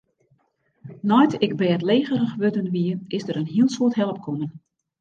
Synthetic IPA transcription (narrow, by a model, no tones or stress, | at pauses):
nɔjtʰɪɡ̚bɛːtleːɣərəxʋødənʋiəɪzdəɾənɦiəlˠsuətɦɛlˠəp̚kʰonən